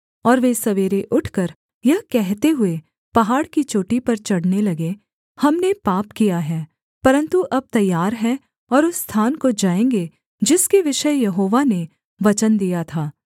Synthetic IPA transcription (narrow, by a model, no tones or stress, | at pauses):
ɔːɾʋesɐʋeːɾeʔʊʈʰkɐɾ | jɐɦkɛɦt̪eɦʊe | pɐɦaːɽkit͡ʃoːʈipɐɾt͡ʃɐɽnelɐɡe | hɐmnepaːpkijaɦɛː | pɐɾə̃nt̪uʔɐb̚t̪ɐjːaːɾɦɛ | ɔːɾʊsːt̪ʰaːnkod͡ʒaːẽːŋɡe | d͡ʒɪskeʋɪʃəjɐɦoːʋane | ʋɐt͡ʃənd̪ijat̪ʰaː